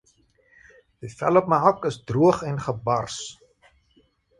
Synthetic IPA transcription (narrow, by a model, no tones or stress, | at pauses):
d̥ifɛ̰lɔp̚məɦɔkəsdruəχɛnχəbɐrs